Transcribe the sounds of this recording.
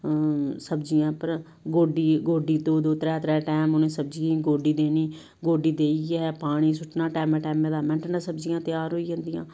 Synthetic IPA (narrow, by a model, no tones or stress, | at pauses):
səbd͡ʒɪjãːpəɾ | ɡoːɖiːɡoːɖiːt̪oːd̪oːt̪əɾɛːt̪ɾɛːʈɛːmʊnẽːsəbd͡ʒiĩɡoːɖiːd̪eːniː | ɡoːɖiːd̪eːiɛːpaːɽ̃iːsʊʈnaːʈɛːmɛ̃ːʈɛːmɛːd̪aːɾmɛ̃ɳʈnãsəbd͡ʒɪjãːt̪ɪjaːɾɦoːiːd͡ʒãːnd̪ijã̰ː